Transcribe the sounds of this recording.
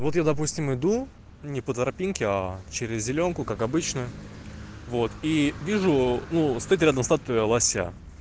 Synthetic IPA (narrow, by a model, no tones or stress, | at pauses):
vo̞t̪jad̪ɐpusʲtʲɪmɪd̪u | nʲɪpət̪ɾɐpʲinkʲɪat͡ɕeɾʲɪzːʲɪlʲo̞nkʊkakɐbɨt͡ɕnə | vo̞t̪ivʲiʐʊnust̪ɐit̪ɾʲad̪əmst̪at̪əəlˠɐsʲa̰